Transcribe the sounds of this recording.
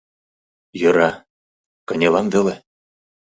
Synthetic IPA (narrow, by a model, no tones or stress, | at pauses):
jɤ̆ɾɑ | kɤ̆nʲelɑnvĕle